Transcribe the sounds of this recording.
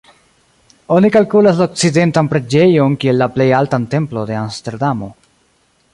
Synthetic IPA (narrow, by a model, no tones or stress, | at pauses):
o̞nikalkulaslaok̚t͡side̞ntanpɾe̞d͡ʒe̞jo̞nkie̞lːaple̞jaltante̞mplo̞de̞amste̞ɾdamo̞̰